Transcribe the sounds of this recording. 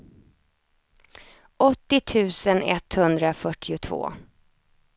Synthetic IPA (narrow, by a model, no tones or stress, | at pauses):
ʔɔt̪ːɪt̪ʰʉ̟ːsənɛ̰t̪hɵnd̪ɾafœʈʰːɪʊt̪ʰvo̰ː